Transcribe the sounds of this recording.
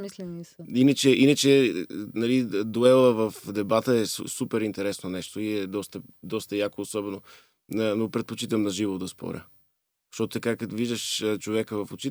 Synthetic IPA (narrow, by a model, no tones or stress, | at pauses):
mislɛnisinət͡ʃɛʔinət͡ʃɛnɐlid̪oɛlˠəvəfd̪ɛbat̪əɛssupɛɾint̪ɛɾɛsnonɛʃt̪oiɛd̪ɔst̪ə | d̪ɔst̪əjakoːsɔbɛno | nənopɾɛt̪̚pot͡ʃit̪əmnɐʒivod̪ɐspʰɔ̰ɾʲjə̰ | ʃt̪ɔt̪ʊ̥t̪ɐkakɐt̪viʒd̪əʃt͡ʃovɛkəvɐfot͡ʃi